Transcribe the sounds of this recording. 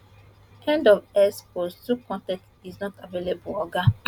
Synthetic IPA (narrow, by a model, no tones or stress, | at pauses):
ɛ̃ndɔvɛspostukɔ̃ntɛ̃ktiznɔtavelebuɔɡa